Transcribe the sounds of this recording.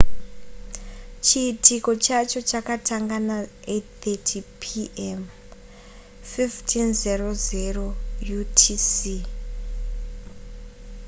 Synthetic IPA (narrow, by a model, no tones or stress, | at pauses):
t͡ʃiːtiko̞t͡ʃat͡ʃo̞t͡ʃakataŋɡana | ett̪etʰipʰiʔem | fiftʰinzero̞zero̞jutʰisi